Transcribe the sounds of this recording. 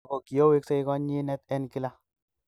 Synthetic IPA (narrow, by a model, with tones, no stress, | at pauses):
ko˨ki˨jo˦we˦kse˦i˦kɔ˦ɲi˦nɛ˦t̪ɛ˦nki˦la˦